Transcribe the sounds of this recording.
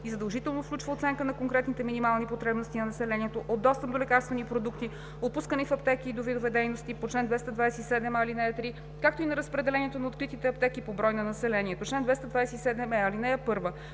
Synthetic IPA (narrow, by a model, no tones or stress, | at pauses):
izɐd̪əlˠʒit̪ɛlˠnofklʲut͡ʃvəot̪sɛŋkənɐkoŋkɾɛt̪nit̪ɛminimalˠnipot̪ɾɛbnost̪inɐnɐsɛlɛniɛt̪oʔod̪ːɔst̪əp̚d̪olɛkaɾst̪vɛnipɾod̪ukt̪i | ot̪̚puskənifɐp̚t̪ɛkiːd̪ovid̪ovɛd̪ɛjnost̪ipot͡ʃlɛnd̪vɛst̪əd̪vajsɛt̪isɛd̪ɛmɐlinɛɐt̪ɾi | kak̚t̪oinɐɾəspɾɛd̪ɛlɛniɛt̪onɐot̪̚kɾit̪it̪ɛɐpt̪ɛkipobɾɔjnɐnɐsɛlɛniɛt̪ot͡ʃlɛnd̪vɛst̪əd̪vajsɛisɛd̪ɛmɛɐlinɛəpɤɾvə